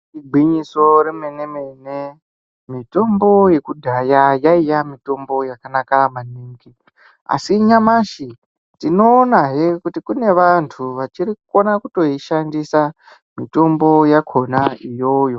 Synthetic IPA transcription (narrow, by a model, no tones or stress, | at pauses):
iɡ͡bʱiɲiso̞ɾemenemene | mito̞mbo̞je̞kudʱajajaijamito̞mbo̞jakanakamaniːŋɡi | a̰siɲamaʃi | tino̞ːnaɦekutikune̞ʋantʰuʋat͡ʃiɾikuko̞nakuto̞iʃandisa | mito̞mbo̞jakʰo̞naijo̞jo̞